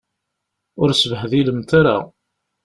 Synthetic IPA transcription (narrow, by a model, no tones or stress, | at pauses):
ʊɾsəvəħðiləmt̪aɾa̰